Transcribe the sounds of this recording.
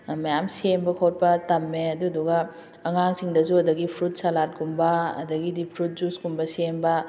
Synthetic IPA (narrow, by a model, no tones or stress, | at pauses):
mɐjamsembɐkʰowt̚pɐtɐmːeɐduduɡɐ | ɐŋaŋsiŋdɐzuɐdɐɡipʰɾut̚salat̚kumbɐɐ̰dɐɡidipʰɾut̚zuskumbɐsembɐ